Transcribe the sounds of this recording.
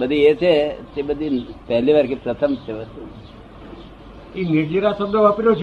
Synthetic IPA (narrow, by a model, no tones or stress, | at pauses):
bəd̪ʱiet͡ʃʰet̪ebəd̪ʱipɛɦliʋaɾkipɾət̪ʰəmt͡ʃʰeʋəst̪u | imiɾd͡ʒiɾasəbd̪əʋapiɾot͡ʃʰ